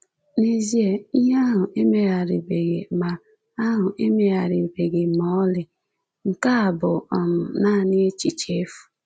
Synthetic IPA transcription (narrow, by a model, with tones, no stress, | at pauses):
ni˦zi˦e˨i˦ɦa˦ɦʊ˨ʔe˦me˨ɣa˨ɾi˨be˨ɡḛ˨ma˨ | a˦ɦʊ˨ʔe˦me˦ɣa˨ɾɪ˨be˨ɡe˨mɔ˦ɔ˦lɪ˨ | ŋ̩˨ka˦a˨bʊ˨ɔ˨mʊ˨na˦˨nɪ˦e˦t͡ʃi˨t͡ʃe˦fu̥˨